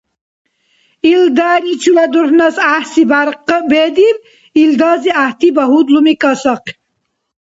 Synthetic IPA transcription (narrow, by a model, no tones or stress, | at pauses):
ild̪aːɾit͡ʃʰulad̪uhnɐsahsibaɾqbed̪iɾ | ild̪ɑːziaht̪ibɐɦud̪lumikɐsɐq